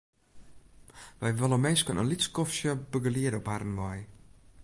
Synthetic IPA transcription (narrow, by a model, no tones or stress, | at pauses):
ʋɛjʋəlˠəmɛːskənənliskɔfsjəbəɡəliəɾɔparn̩ʋɔj